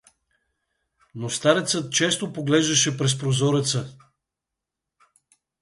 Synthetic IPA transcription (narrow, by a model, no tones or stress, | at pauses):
nost̪aɾɛt̪sət̪̚t͡ʃɛst̪opoɡlɛʒd̪ɐʃɛpɾɛs̬pɾozɔɾɛt̪sə